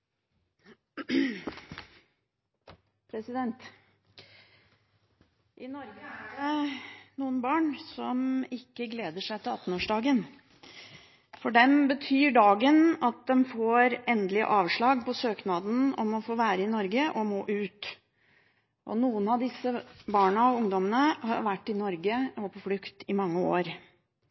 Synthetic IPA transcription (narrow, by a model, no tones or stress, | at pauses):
pʰɾɛsɪd̪ɛnt̪ | ʔɪnɔɾɡəhæɖɛnuːənbɑːɳsɔmɪkːəɡleːd̪əʂæɪt̪ʰɪlɑt̪ːn̩oːʂɖɑːɡən | fɔɖɛmbət̪ʰyːɖɑːɡənɑt̪̚d̪ɛmfoːɾɛnd̪lɪə̰ʔɑːʋʂɭɑːɡ̚pɔsøːknɑːd̪n̩ɔmɔfoːʋæːɾəɪnɔɾɡəʔɔmoːʔʉːt̪ | ʔɔ̰nuːənɑʋd̪ɪsːəbɑːɳəɔʊŋd̪ɔmənəhɑ̰ɾʋæʈːɪnɔɾɡəɑpʰɔflʉkt̪ɪmɑŋːəo̰ːɾ